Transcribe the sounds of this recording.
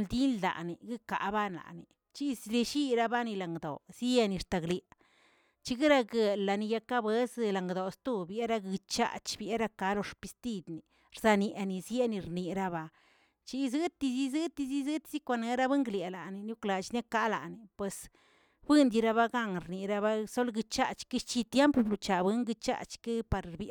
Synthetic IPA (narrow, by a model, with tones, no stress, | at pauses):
ld̪i˦ld̪a̰˨ʔni˨ɡɨ˦ka̰˨ba˦nla̰˨ni˨ | t͡ʃi˦˧zli˧ʃi˦ɾa˧ba˦ni˧la˨ŋɡd̪o̰˨zi˦e˧ni˧ɾt̪a˨ɡle˨ | t͡ʃi˦ɡi˦ɾa˧ɡe˧la˨ni˧ja˧ka˦bwe˦sla˨ŋɡd̪o˨st̪u˦˧bje˦ɾa˧ɡɨ˧t͡ʃa̰˦˧t͡ʃbje˦ɾa˧ka˧˦lo˧ʂpi˧st̪i˦˧d̪ni˨ | ɾza˧nje˨ʔni˨zje˦ni˧ɾni˧ɾa˧ba˧ | t͡ʃi˧˦zɨ˦t̪i˧zi˦zɨ˦t̪i˧zi˦zɨ˦t̪i˦si˦kʷa˧ne˧ɾa˧be˦ŋɡlje˨la˨ni˧nu˦kla˨t͡ʃne˦ka˦la̰˨ni˨pwe˨s | bɨ˦nd̪i˧ɾa˧βa˧ɡa˦ŋɾni˨ɾa˧ba˧so˦lɡɨ˧t͡ʃa̰˧˨t͡ʃki˦ʃt͡ʃi˧t̪je˦mpo˧blu˧t͡ʃa˨bɨ˦ŋɡɨ˧t͡ʃa̰˧t͡ʃki˦pa˧ɾbj